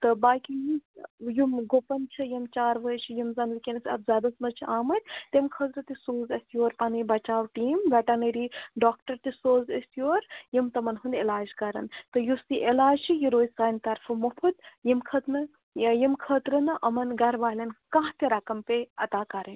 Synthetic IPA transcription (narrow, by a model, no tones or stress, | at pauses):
t̪ɨbaːkʲijimjumɡopɐnt͡ʃʰijimt͡ʃaːɾʋət͡ʃʰijimzɐnikʲenɐsʲɐb̚zʲaːd̪ɐsmɐt͡ʃʰiʔaːmɐt̪̚ʲt̪emkʰɐzɾɐt̪isoːzɐsijoːɾpɐnɨbɐt͡ʃaːwʈiːmʋɐʈɐnɐɾiɖaːk̚ʈɐɾt̪isoːzɐsijoːɾjimt̪ɐmɐnɦund̪elaːd͡ʒkɐɾɐ̰nt̪ɨjusiʔelaːd͡ʒt͡ʃʰijiɾoːjsaːnt̪ɐɾfɐmɐpʰɨt̪jimkʰɐt̪nɨ | jimkʰəːt̪ɾɐnɨʔɐmɐnɡɐɾʋaːlʲɐnkãːɦt̪iɾɐkɐmpeɐt̪aːkɐɾɐnʲ